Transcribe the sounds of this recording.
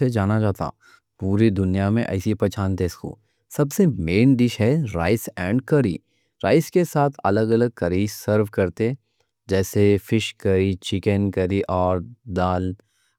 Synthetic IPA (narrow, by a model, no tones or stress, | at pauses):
ed͡ʒaːnad͡ʒaːt̪a̰ː | puːɾid̪ʊnijamẽʔɐ̰ɪsipɐt͡ʃʰaːnt̪eɪsko̰ː | sɐbsemeːnɖɪʃɦɛɾa̰ːɪsɛ̃ːɳɖkɐɾḭː | ɾa̰ːɪskesaːt̪ʰɐ̰ləɡɐləɡ̚kɐɾisəɾʋkɐɾt̪e | d͡ʒɛːsefɪʃkɐɾit͡ʃɪkənkɐɾiʔɔːɾd̪aːl